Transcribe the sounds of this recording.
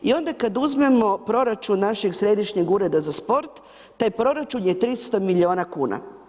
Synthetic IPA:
io̞nd̪akad̪uzme̞mo̞pɾo̞ɾat͡ʃunːaʃeɡsɾe̞d̪iʃɲeɡuɾe̞d̪azaspo̞ɾt̪ː | aːjpɾo̞ɾat͡ʃunjet̪ɾist̪omiʎio̞ːnakuːna̰

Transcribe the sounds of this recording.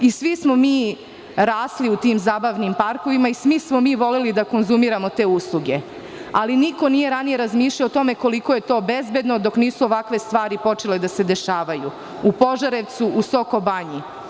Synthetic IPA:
isʋismomiː | ɾaːsliut̪iːmzaːbaʋnimpaɾko̞ʋimaisʋismo̞miːʋo̞lelid̪ako̞nzumiɾamo̞t̪e̞ːuslˠuɡe̞ | aliniko̞nije̞ɾanije̞ɾazmiːʃʎaoːt̪o̞me̞ko̞liko̞je̞t̪o̞ːbezbed̪no̞d̪o̞kniːsuoʋakʋe̞st̪ʋaːɾipo̞t͡ʃe̞led̪ase̞d̪e̞ʃaːʋajṵ | upo̞ʒaɾeʋt̪suʔusoko̞baɲi

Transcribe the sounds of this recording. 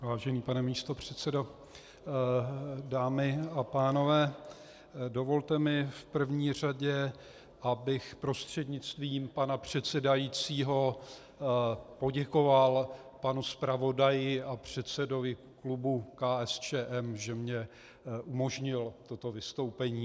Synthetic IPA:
vaːʒɛniːpanɛmiːst̪o̞pr̝̥ɛt̪t͡sɛdo̞ | daːmɪapaːno̞vɛː | do̞vo̞lt̪ɛmɪfpr̩vɲiːr̝aɟɛ | ʔabɪxpɾo̞st̪r̝̥ɛdɲɪt͡st̪viːmpanapr̝̥ɛt̪sɛdajiːt͡siːɦo̞ | po̞ɟɛko̞val | panuspɾavo̞dajɪʔapr̝̥ɛt̪t͡sɛdo̞vɪ | klubukaːɛst͡ʃɛːʔɛmʒɛmɲɛ | ʔumo̞ʒɲɪlt̪o̞t̪o̞vɪst̪o̞wpɛɲiː

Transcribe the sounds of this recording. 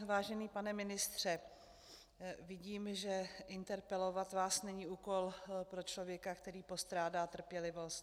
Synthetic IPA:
vaːʒɛniːpanɛmɪnɪst̪r̝̥ɛ | vɪɟiːmʒɛʔɪnt̪ɛɾpɛlo̞vat̪vaːsnɛɲiːuːko̞lpɾo̞t͡ʃlo̞vjɛkakt̪ɛɾiːpo̞st̪ɾaːdaːt̪r̩pjɛlɪvo̞st̪

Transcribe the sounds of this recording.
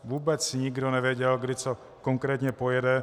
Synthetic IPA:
ʋuːbɛt͡ssiɲiɡd̪ɔnɛʋɛɟɛlɡd̪it͡sɔ | kɔŋkɾɛːt̪ɲɛpɔjɛd̪ɛ

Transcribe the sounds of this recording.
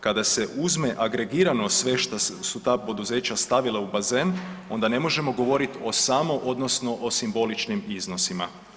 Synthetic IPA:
kad̪ase̞ʔuzme̞ʔaɡɾe̞ɡiːɾano̞sʋe̞ʃt̪asut̪aːpo̞d̪uze̞ːt͡ɕast̪aʋilaubaze̞ːno̞nd̪ane̞mo̞ʒe̞mo̞ɡo̞ʋo̞ɾit̪o̞samo̞ʔo̞d̪no̞sno̞ʔosimbo̞lit͡ʃnimizno̞sima̰

